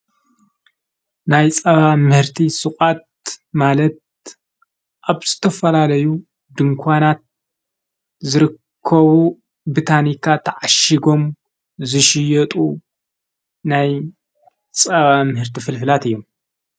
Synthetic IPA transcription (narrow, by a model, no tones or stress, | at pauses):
najt͡sʼɐβamɨhɨɾt̪ʰisɨkʼat̪̚malɐt̪̚ | ʔaβz̥ɨt̪ʰɐfɐlalɐju | d̪ɨŋkʷʰanat̪̚ | zɨɾɨkʰːɐβu | bit̪ʰanikʰat̪ʰɐʕaʃiɡo̞m | zɨʃɪjɐt̪ʼu | naj | t͡sʼɐβamɨhɨɾt̪ʰifɨlfɨlat̪ɨjːo̞m